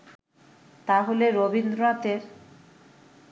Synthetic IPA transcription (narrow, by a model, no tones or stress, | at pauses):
t̪aɦoleɾobind̪ɾoat̪eɾ